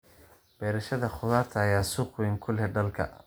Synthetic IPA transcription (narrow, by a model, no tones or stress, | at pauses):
b̥ɛːɾɐʃɐðɐχʊðaːrt̪ʰɐːjaːsʊːqwɛːŋkʰʊlɛɖɐlkʰɐ̰